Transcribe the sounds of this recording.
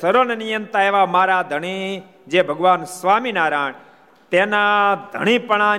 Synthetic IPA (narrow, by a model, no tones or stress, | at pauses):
əɾonenijənt̪aeːʋamaːɾad̪ʱəɽ̃i | d͡ʒebʱəɡʋaːnsʋaːminaːɾaːɳ̃ | t̪enad̪ʱə̰ɽ̃ipəɳ̃a